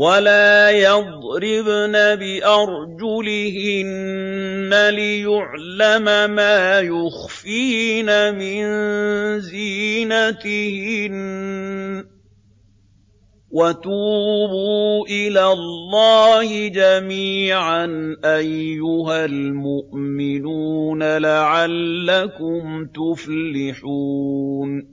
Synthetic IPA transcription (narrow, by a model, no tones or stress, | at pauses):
walaːjɑd̪ˤɾɪbnabɪʔɑɾˤd͡ʒʊlɪɦɪnː | alɪjʊʕlamamaːjʊxfiːnamɪnziːnat̪ɪhɪn | wat̪uːbuːʔɪlaːlːɑːhɪd͡ʒamiːʕanʔajːʊɦalmʊʔmɪnuːnalaʕalːakʊmt̪ʊflɪħuːn